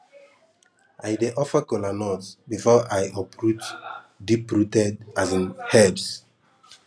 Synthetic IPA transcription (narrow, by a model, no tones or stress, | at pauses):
ʔajdeʔɔfəkɔlanɔtbifɔʔajɔpɹut͡ʃ | dipɹutɛdazĩnhɛbs